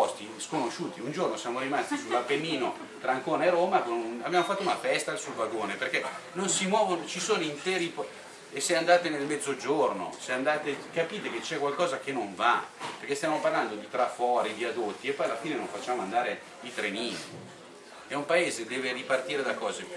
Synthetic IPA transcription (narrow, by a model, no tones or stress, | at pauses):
ɔst̪iskonoʃuːt̪iund͡ʒornosjaːmoɾimast̪isulapenːiːno | t̪ɾaːŋkoːneeroːmabaabjaːmofat̪ːounafɛst̪asulvaɡoːneperkɛnonsimwɔːvonot͡ʃisoːnoint̪eːɾip | eseand̪aːt̪enelmɛd̪zːod͡ʒorno̰seand̪aːt̪ekapiːt̪eket͡ʃɛkwalkɔːzakenoɱvaperkest̪jaːmoparland̪od̪it̪ɾafɔːɾid̪iad̪ot̪ːiepːɔjalafiːnenõɱfat͡ʃːaːmoand̪aːɾe | it̪ɾeniːni | ɛumpaeːzed̪eːveripart̪iːɾed̪akːɔːze